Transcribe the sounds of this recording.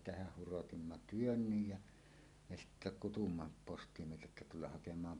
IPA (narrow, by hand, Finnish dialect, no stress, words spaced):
tehæh hurotimːɑ tyønːyj jæ me sitːæ kutumːɑ postimieheltæ etːæ tulːɑh hɑkemˑɑːm